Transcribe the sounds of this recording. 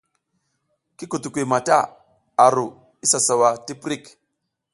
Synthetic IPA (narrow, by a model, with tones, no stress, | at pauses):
ki˦ku˨tu˨kʷi˨ma˨ta˦˨ | a˨ɾu˨ | i˦sa˨sa˨wa˨ti˦pɾi˦˨k